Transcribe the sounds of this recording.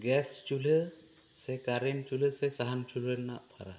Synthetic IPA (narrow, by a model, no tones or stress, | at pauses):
ɡɛst͡ʃule | sɛkaɾent͡ʃuləsɛsaɦant͡ʃuləna̰ʔpʰa̰ɾa̰